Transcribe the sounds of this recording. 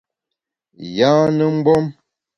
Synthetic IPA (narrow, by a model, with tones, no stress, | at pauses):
ja˦nə˦ŋ͡m̩˦bɔ˦m